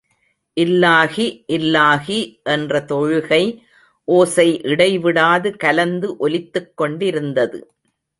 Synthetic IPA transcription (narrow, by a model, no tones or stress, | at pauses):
ʔɪlːaːɣiʔɪlːaːɣiʔɛndrɐt̪ɔɻɯɣɐɪ | ʔoːsɐɪʔɪɽɐɪʋɪɽaːðɯkɐlɐnd̪ɯʔɔlɪt̪ːɯkːɔɳɖɪɾɯnd̪ɐðɯ̰